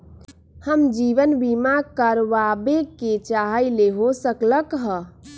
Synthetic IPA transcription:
həmd͡ʒiʋənbimakəɾʋabeket͡ʃaɦəjleɦosəkləkɦə

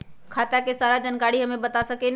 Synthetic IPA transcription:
kʰat̪jakesaɾad͡ʒənkaɽiɦəmebət̪asəken

